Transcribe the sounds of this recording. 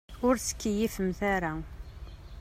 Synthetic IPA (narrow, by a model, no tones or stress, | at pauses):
ʊɾsə̥kːjifəmθæɾa